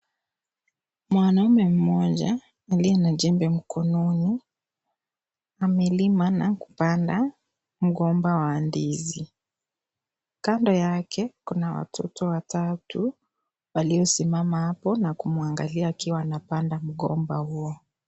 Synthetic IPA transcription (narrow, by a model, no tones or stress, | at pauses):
mwanaumɛm̩mɔʄaː | liɛnaʄɛmbɛm̩kʰɔnɔni | amɛlimanaku̥panda | m̩ɠɔmbawaːndizi | kandɔjakʰɛkunawa̰tʰɔ̰tɔwatatu | waliɔsimamahapɔnakumuaŋɡa̰liaːkiwanapandam̩ɠɔ̰mbahuɔ